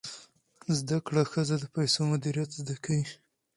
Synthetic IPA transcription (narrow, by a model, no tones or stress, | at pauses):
zd̪akɽaxəzad̪əpajsomʊd̪iɾijat̪zd̪akʰawi